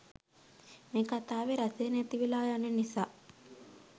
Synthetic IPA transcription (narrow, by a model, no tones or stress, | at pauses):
mekat̪aːʋeɾaseːnet̪iʋilaːjanenisaː